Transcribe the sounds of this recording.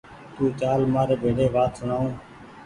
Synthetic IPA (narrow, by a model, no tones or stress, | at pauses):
t̪ũːt͡ʃaːlmaːɾeːbʱeːɽeːʋaːt̪sʊɳaːũː